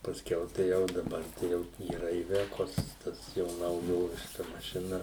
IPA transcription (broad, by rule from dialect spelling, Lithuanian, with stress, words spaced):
pɐsʲˈkʲɛʊ tɐɪ ˈjɛʊ dɐˈbɐr tɐɪ ˈjɛʊ iːˈrɐ ɪˈʋʲæːkoːs ˈtɐs jɛʊ nɐʊˈjoːʋʲɪʃkɐ mɐʃʲɪˈnɐ